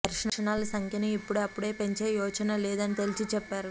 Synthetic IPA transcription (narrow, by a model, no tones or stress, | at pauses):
ɐɾʂɐnɐnaːlɐsɐŋkʰjɐneipːuɽeɐpːuɽe̞ːpe̞ɲt͡ʃeːjɔːt͡ʃɐnɐleːd̪ɐnit̪elit͡ʃit͡ʃɛpːaːɾu